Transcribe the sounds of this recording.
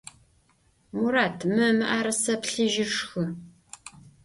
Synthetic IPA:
muɾaːtʰmɨmɨʔaːɾɐsɐpɬɨʒɪʂxɨ

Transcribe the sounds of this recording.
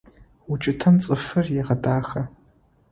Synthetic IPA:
ʊt͡ʃʼɪtʰɐmt͡sʼɨfɨrjɛʁɐdaːxɐ

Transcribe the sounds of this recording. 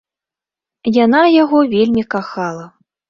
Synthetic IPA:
janajaɣɔvʲelʲmʲikaxalˠɐ

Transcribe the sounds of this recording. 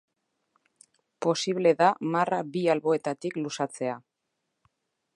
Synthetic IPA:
po̞siβ̞le̞ðamaraβialβo̞e̞t̪at̪iklusat͡se̞a

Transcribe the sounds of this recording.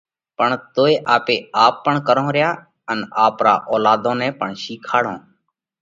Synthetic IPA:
pəɳt̪oːeːʔaːpeːaːpːəɳkəɾõːɾɪjaː | ənaːpɾaːʔɔːlaːd̪õːnɛ̃ːpəɳʃiːkʰaːɽõː

